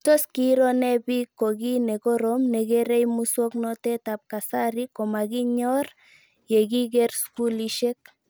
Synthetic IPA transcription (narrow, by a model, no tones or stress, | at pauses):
t̪oskiɾonebikːoɣineɡoɾomneɣeɾejmusuoknot̪et̪ap̚kasaɾikomaɣiɲoɾ | jeɡiɡeɾskuliʃek̚